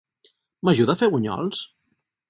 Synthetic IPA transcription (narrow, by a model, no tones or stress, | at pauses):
maʒuðafeɣuɲɔ̰lˠs